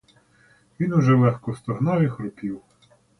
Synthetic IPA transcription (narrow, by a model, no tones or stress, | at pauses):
ʋʲinʊʒɛlˠɛxkɔst̪ɔɦnɑʋɪxɾʊkʲiw